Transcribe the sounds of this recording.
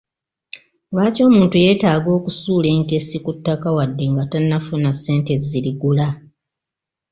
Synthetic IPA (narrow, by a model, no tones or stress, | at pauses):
waːco̞ːmuːntuje̞ːtaːɡo̞ːkusuːle̞ːŋke̞sikutːakawadːe̞ŋɡatanːafunasːe̞ːnte̞ziliɡula